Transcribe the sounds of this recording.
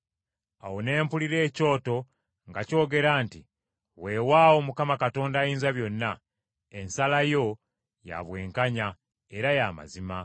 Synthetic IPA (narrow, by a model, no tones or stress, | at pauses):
awo̞ne̞ːmpuliɾe̞ːco̞ːto̞ | ŋɡaco̞ːɡe̞ɾaːnti | weːwaːwo̞mukamakato̞ːndaːjiːnzaβjo̞nːa | e̞nsalajo̞ | ja̰βwe̞ːŋkaɲa | e̞ɾajama̰zima